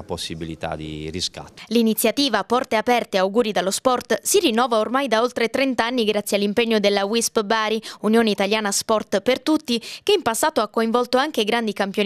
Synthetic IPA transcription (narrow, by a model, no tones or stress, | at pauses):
aposːibilit̪a̰d̪ḭɾiska̰t̪ːlinit̪sːjat̪iːvapɔrt̪eapɛrt̪eawɡuːɾid̪alːospɔrt̪sirinːɔːvaormajd̪aolt̪ɾet̪ɾent̪aanːiɡɾat̪sːjalːimpeɲːod̪elːawispbaːɾiunjoːneit̪aljaːnaspɔrt̪pert̪ut̪ːikeimpasːaːt̪oakːoiɱvɔlt̪oaŋk̟eɡɾand̪ikampjo